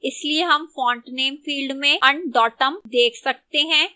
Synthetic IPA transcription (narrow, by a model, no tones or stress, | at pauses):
ɪslieɦɐmfɔ̃ːɳʈneːmfiːlɖmẽɐ̃ɳɖɖɔːʈəmd̪eːkʰsɐk̚t̪eɦɛ̃ː